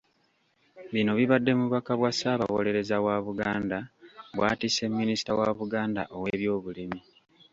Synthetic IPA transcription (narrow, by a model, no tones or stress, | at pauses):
βino̞βiβadːe̞muβakaβwasaːβa̰wo̞̰le̞ɾe̞zawaβuɡaːndaβwaːtise̞mːinisi̥tawaβuɡaːnda̰ʔo̞weβjo̞ːβulimi